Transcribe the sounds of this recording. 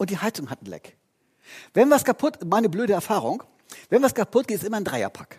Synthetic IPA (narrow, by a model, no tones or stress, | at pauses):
ʔʊntd̥iːhaɪt͡sʊŋhatn̩lɛ̰k | vɛnvaskʰapʰʊtmaɪnəbløːɾəɛɐfaːʁʊŋ | vɛnvaskʰapʰʊtɡ̥eːtɪsʔɪmɐndʁaɪɐ̰pʰḁk